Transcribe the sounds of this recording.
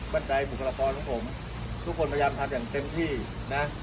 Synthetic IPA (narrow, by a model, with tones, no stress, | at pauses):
ba˥˩nda˧jbu˨˩kʰla˧kɔː˧nkʰɔ˩˦ŋpʰo˩˦m | t̪ʰu˦˥kʰːo˧npʰa˧jaː˧mt̪ʰa˧mjaː˨˩ŋt̪e˧mt̪ʰiː˥˩ | na˦˥